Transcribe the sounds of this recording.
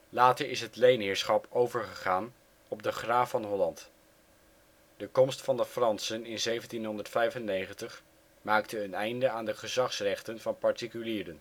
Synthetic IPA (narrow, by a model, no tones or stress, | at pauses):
laːtəɹɪsɦətlejnɦɪːɹsχɑpowvəɹχəχaːn | ɔb̚dəχraːfɑnɦɔlɑnt | dəkɔmstfɑndəfrɑnsənɪnzejvəntinɦɔndəɹtfɛjvənːejχəntəχ | maːktəːnɛjndəaːndəχəzɑχsrɛχtənvɑnpɑɹtikyliːɾən